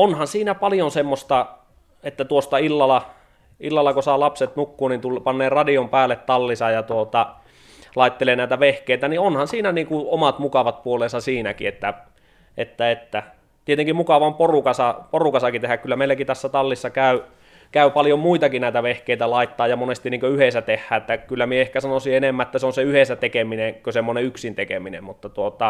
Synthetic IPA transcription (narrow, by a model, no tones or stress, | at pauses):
onhɑnsiːnæpɑljonsemːost̪ɑ | et̪ːæt̪uost̪ɑilːɑlɑ | ilːɑlːɑkosɑˑːlɑpset̪nukːuːnint̪ulpɑnːeːrɑdiompæːlːˑet̪t̪ɑlːisɑjɑt̪uot̪ɑ | lɑˑit̪ːeleːnæˑit̪æʋehkeˑit̪ænionhɑnsiːnæniːŋkuomɑt̪mukɑʋɑt̪̚puoleːˑsɑsiːnækḭet̪ːæ | et̪ːæet̪ːæ | t̪iet̪eŋkimmukɑʋɑomporukɑsɑporukɑsɑkit̪ehækkylːæmeˑilækit̪æsːæt̪ɑlːisːɑkæˑy | kæˑypɑljommuit̪ɑkinæˑit̪æʋehkeˑit̪ælɑˑit̪ːɑːjjɑmonest̪iniːŋkøyhesæt̪ehːæːet̪ːækylːæmieehkæsɑnosienemːæet̪ːæseonseyhesæt̪ekeminekøsemːoneyksint̪ekḛminḛmmut̪ːɑt̪uot̪ɑ